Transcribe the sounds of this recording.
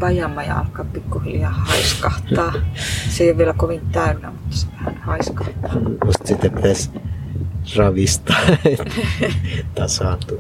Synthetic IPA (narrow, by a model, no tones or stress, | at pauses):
pɑijɑmːɑjɑ̰ɑ̰lkɑːppikːuhiljɑːhɑiskɑht̪ɑːseijoʋʋielækoʋint̪æynːæ̰mut̪ːɑ̥seʋæhænhɑiskɑht̪ɑːmust̪sit̪ːepit̪æs | rɑʋist̪ɑe | t̪ɑsɑːnt̪u